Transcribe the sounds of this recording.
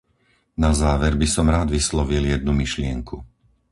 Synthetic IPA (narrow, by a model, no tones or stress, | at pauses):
nazaːʋɛɾbisɔmɾaːd̪ʋislɔʋiljɛd̪̚numiʃlɪɛŋku